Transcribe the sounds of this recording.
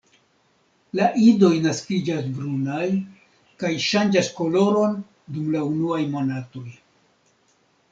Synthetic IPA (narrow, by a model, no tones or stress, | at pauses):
laʔido̞jnaskid͡ʒasbɾunaj | kajʃand͡ʒasko̞lo̞ɾo̞n | dumlaunuajmo̞nato̞j